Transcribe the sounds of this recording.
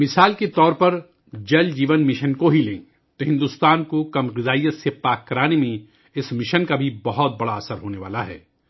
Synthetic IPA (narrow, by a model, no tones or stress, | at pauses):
mɪsaːlket̪ɔːɾpɐɾ | d͡ʒɐld͡ʒiːʋənmɪʃənkoɦilẽː | t̪oɦɪ̃nd̪ust̪aːnkokɐmɣɪzaːijət̪sepaːkːɐɾaːnemẽ | ɪsmɪʃənkabʱibɐɦɔt̪̚bɐɽaɐsəɾɦoːneʋa̰ːlaɦɛ̰ː